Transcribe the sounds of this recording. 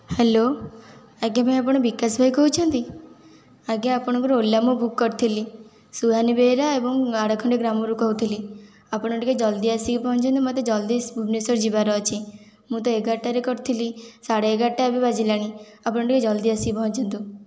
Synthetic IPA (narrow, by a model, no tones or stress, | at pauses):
hɛlo | aɡjamãap̬ɔɽ̃bikasbʱajkɔɦut͡ʃʰɔnt̪i | aɡjaːpɔɽ̃ɔkɔɾolːjamũbʱukːɔɾt̪ʰili | suɦanibeɾaebɔŋaɽakʰɔɳɖeɡɾamoɾukɔɦut̪ʰili | apɽ̃ɔʈiked͡ʒɔld̪iasipɔɦɔ̃nt͡ʃʰɔnt̪imat̪ed͡ʒɔld̪isbʱubnesɔɾd͡ʒibaɾɔt͡ʃʰi | mũt̪ɔeɡaʈːaɾekɔɾt̪ʰilisaɽeeɡaʈːabibad͡ʒilaɽ̃iapɔɽ̃ɔʈiked͡ʒɔld̪iasibɔɦɔ̃ɲt͡ʃʰɔnt̪u